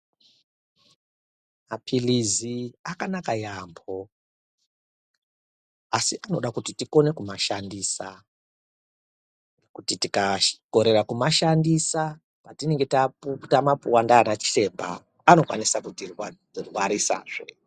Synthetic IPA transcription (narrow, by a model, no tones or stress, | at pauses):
mapʰiliziakanakajambo̞ | asiʔano̞ɗakutitiko̞ne̞kumaʃandiːsa | nekutitikako̞ɾe̞rakumaʃandisa | patine̞ŋɡe̞taputamapuwandaːnat͡ʃi̥te̞mbʱa̰ː | no̞kwa̰nisakutirw | rwaɾisa̰ːʐ̥e